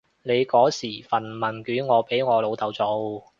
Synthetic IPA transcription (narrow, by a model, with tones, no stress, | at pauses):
ne˨˧jkɔː˨˥siː˨˩fɐ˨˩nmɐ˨˩nkyː˨˥nŋɔː˨˧pe˨˥jŋɔː˨˧lo˨˧wt̪ɐ˨˧wt͡so˨˧˥w